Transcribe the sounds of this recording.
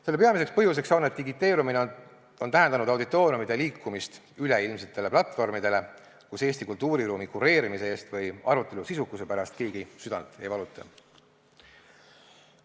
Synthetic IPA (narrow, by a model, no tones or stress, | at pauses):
selːpeɑmis̬e̞kspɤɦjus̬e̞ksɑwnet̪ːiɡit̪ːˑe̞ːɾumine | o̞nt̪æɦend̪ɑnud̪̥ɑwd̪it̪ːˑo̞ːɾjumid̪̥e̞liːkːumist̪ | yleilms̬et̪ːˑe̞le̞plɑt̪ːˑfo̞rmid̪̥e̞le̞ | kuse̞ːst̪ikult̪ːˑuːɾiɾuːmikure̞ːɾimise̞e̞ːst̪vɤjɑɾut̪ˑːe̞lusisukːˑuse̞pæɾɑst̪̚ke̞ːɡ̥isyd̪̥ɑ̰nt̪ˑe̞̰jvɑlut̪ːˑɑ̰